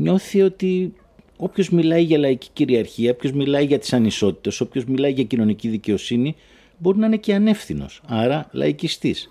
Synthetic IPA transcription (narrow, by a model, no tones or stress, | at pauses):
ɲo̞θio̞t̪i | o̞pço̞zmilɐiʝɐlɐici̥ciɾiɐɾçiɐopço̞zmilɐiʝɐt̪i̥sɐniso̞t̪i̥t̪e̞so̞pço̞zmilɐiʝɐcino̞niciðice̞o̞sini | bo̞ɾinɐine̞ce̞ɐne̞fθino̞̰sɐɾɐlɐ̰icist̪is